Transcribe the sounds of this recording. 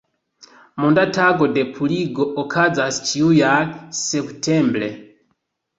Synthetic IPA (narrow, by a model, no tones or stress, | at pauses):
mɔndatʰaɡɔdɛpʰuliɡɔʔɔkʰad͡zast͡ʃiujasɛptʰɛmbɾɛ